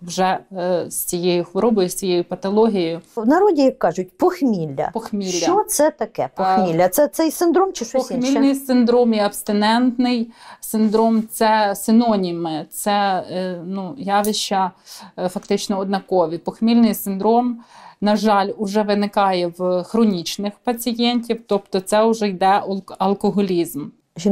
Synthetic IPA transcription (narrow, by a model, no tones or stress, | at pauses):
wʒɛsʲt͡sʲijejʊxʋɔɾɔbɔjʊsʲt͡sʲijejʊpɐt̪ɐlˠɔɦʲijjʊwnɐɾɔdʲijɐkːɑʒʊt̚ʲpɔxmʲilʲːɐ̰pɔxmʲilʲːɐsɛt̪ɐkɛpɔxmʲilʲːɐt̪sɛt̪sɛjsɪnd̪ɾɔmt͡ʃɪʃɔɔxmʲilnɪjsɪnd̪ɾɔmiɐbst̪ɪnɛnt̪nɪjsɪnd̪ɾɔmt̪sɛsɪnɔnʲimɪt̪sɛ | nujɑʋʲɪʃt͡ʃɐfɐkt̪ɪt͡ʃnɔɔd̪nɐkɔʋʲipɔxmʲilʲnɪjsɪnd̪ɾɔmnɐʒɑlʲʊʒɛʋɪnɪkɑjɛwxɾɔnʲit͡ʃnɪxpɐt͡sʲijɛnʲtʲiwt̪ɔpt̪ɔt̪sɛʊʒɛjd̪ɛɐlˠkɔɦɔlʲizm | ʒi